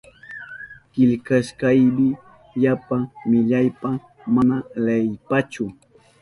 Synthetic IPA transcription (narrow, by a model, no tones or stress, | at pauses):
kɪʎkaʃkajmɪ | ʎapamɪʎajpa | manalajpat͡ʃʊ